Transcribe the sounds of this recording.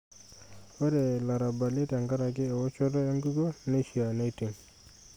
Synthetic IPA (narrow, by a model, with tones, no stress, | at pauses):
wa˦dɛ˨la˨ɾa˨ba˨le˦ta˨ŋɡa˦ɾa˨ɡɪ˦ɛ˨wɔ˦t͡ʃɔ˦dɔ˦e˦ŋɡu˦ɡo˦ne˦ʃi˨a˨na˦ti˨ŋ